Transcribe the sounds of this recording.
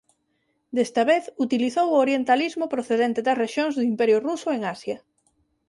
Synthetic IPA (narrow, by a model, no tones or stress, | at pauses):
d̪est̪ɐβeθut̪iliθowʊoɾjent̪alizmʊpɾoθeðent̪eðɐsreʃjoŋzðʊimpɛɾjʊrusʊeŋasjɐ